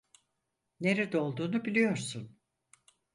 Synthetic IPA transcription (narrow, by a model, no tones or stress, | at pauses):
ne̞ɾed̪ɛo̞lˠd̪uːnubilʲijo̞ɾsun